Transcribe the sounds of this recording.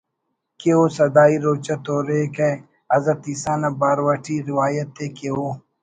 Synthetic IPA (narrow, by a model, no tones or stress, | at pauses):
keoːsɐd̪aːiɾoːt͡ʃɐt̪oːɾeke | ɐzɐt̪isaːnɐbaːɾwɐʈʰiɾiwaːjɐt̪ːekeoː